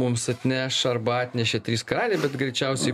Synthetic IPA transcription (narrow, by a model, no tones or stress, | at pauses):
ʊmsɐt̪ʲnʲæːʃɐɾbɐɑːt̪ʲnʲɛʃʲɛt̪ʲɾʲiːskɐɾɑːlʲeːbʲɛt̪ɡɾʲɛɪt͡ʃʲɛʊsʲɛɪ